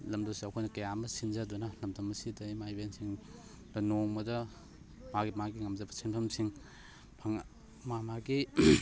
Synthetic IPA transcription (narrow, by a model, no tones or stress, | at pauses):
lɐmdɐwsiɐkʰojnɐkɐjamɐsinzɐdunɐlɐmdɐmɐsidɐjmajbensiŋ | b̥ɐnoŋmɐdɐ | maɡimaɡiŋɐmzɐbɐsinpʰɐmsiŋ | pʰɐŋ | mamaɡi